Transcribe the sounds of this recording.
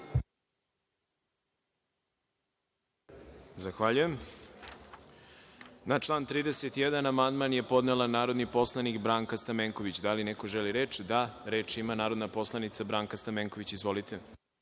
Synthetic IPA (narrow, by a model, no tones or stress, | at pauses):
zaxʋaʎuje̞m | nat͡ʂlˠaːnt̪ɾiːd̪eset̪jed̪anamand̪manje̞po̞d̪nelˠanaːɾo̞d̪nipo̞slˠanikbɾaːŋkast̪ameːŋkoʋit͡ɕd̪alineko̞ʒeliɾeːt͡ʂd̪aɾe̞ːt͡ʃimanaːɾo̞d̪napo̞slˠanit̪sabɾaːŋkast̪ameŋko̞ʋit͡ɕizʋo̞lit̪ʰe